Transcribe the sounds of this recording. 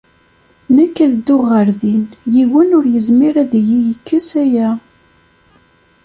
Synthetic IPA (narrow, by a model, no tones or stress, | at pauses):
nækːæðəd̪ːʊʁəɾðinjiwənʊɾjəzmiɾæðjijəkːəsæjæ